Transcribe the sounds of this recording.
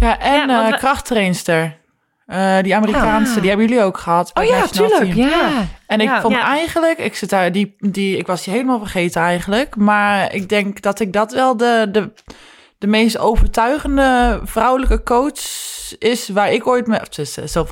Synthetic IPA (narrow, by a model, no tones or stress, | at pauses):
jaʔɛnkrɑxtreːnstəɹ | ədiamərikaːnsədihɛbəjylioːkχəhatjsli | ɛnɪkfonɛjɣənləkɪksɪtədidiɪkʋɔsiheːləmaːlˠfərχeːtənɛjɣən̩ləkmaɹɪ̰k̚dɛŋkdɔtɪk̚dɔtʋɛlˠdədə | d̥əmeːstowvərtʰœɥɣəndəfrawləkəkoːt͡ʃsɪsʋaɹɪkojtmftɪsəsɛlˠf